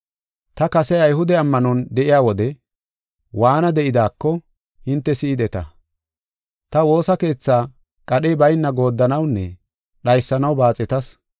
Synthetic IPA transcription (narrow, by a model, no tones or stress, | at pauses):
t̪ɐkɐsɛɐjhɦʊd̪ɛɐmːɐnɔnd̪ɛʔɪjaːwɔd̪ɛ | waːnɐd̪ɛʔɪd̪aːkːɔ | hɪnt̪ːɛsɪɪd̪ɛt̪ɐ̰ | t̪ɐwo̞ːsɐke̞ːt͡sːaː | kʼɐɗeːbɐjnːɐɡo̞ːd̪ːɐnɐwnːɛ̰ | ɗɐjsːɐnɐwbaːt͡sʼɛt̪ɐs